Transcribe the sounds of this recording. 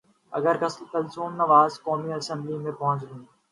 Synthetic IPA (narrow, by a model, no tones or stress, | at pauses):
ɐ̰ɡəɾkɐslk̪ɐlzuːmnɐʋaːzkɔːmiɐsɛ̃mblimẽpɐɦʊ̃t͡ʃɡũː